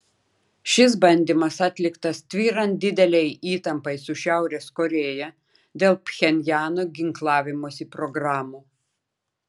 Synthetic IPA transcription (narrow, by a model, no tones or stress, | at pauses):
ʃʲɪs̬bɐnʲd̪ʲimɐsɑːt̪ʲlʲɪkt̪ɐst̪ʲʋʲiːɾɐnt̪̚d̪ʲɪd̪ʲɛlʲɛɪiːt̪ɐmpɐɪsʊʃʲæˑʊɾʲeːskɔɾʲeːjɛ | d̪ʲeːlˠpʲxʲɛnʲjæːnoːɡʲɪŋklˠɑːʋʲɪmoːsʲiːpɾɔɡɾɑːmuː